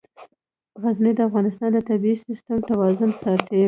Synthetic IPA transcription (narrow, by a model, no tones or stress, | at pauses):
ɣazned̪əafɣɑnɪst̪ɑnd̪ət̪abiisɪst̪əmt̪awɑzʊnsɑt̪e